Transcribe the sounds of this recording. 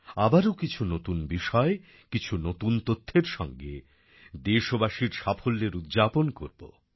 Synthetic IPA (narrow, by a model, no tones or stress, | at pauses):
abaɾokit͡ɕʰunot̪unbiʃɔe | kit͡ɕʰunot̪unt̪ot̪ʰːeɾʃɔŋɡḛ | d̪eʃobaʃiɾʃafʰolːeɾud̪d͡ʑaponko̰ɾbo̰